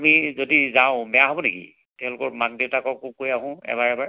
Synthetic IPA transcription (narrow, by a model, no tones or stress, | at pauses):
mizodizaʊ̃bɛjaɦobɔnekḭ | tɛʊ̃lʊkɔɹmak̚diwtakɔkukojaɦʊ̃ɛ̰βaɹɛbaɹ